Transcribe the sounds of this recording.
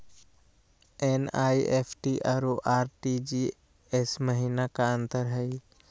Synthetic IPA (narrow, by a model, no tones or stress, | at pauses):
enaːiʔepʰʈiʔaːɾoʔaːɾʈid͡ʒi | esməɦiːnakaə̃nt̪əɾɦəi